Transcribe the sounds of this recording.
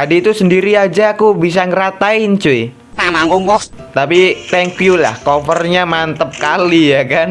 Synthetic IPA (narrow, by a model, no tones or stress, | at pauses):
adiːt̪usəndiɾiad͡ʒaːkubis̬aŋəɾat̪aɪnt͡ʃui | anaŋɡɔŋkɔ | t̪apit̪ɛŋkjula̰hkofərɲamant̪əp̚kalijakan